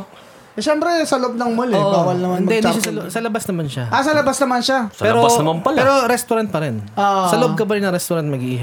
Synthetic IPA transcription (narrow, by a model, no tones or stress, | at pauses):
ʃɛmpɾɛsɐloʔob̚nɐŋmʊlɪʔbawɐlnɐmɐnɪnmɐɛhɪniʃasɐlsɐlɐbasnɐmanʃaʔasɐlɐbasnɐmanʃasɐɛːɾobasnɐmampɐlpːɾo̞ɾɛst̪ʊɾant̪̚pɐɾɛnʔoʔsɐloʔob̚kɐp̬ɐɾɪnɐɾɛst̪ʊɾant̪̚mɐɡiʔiɦa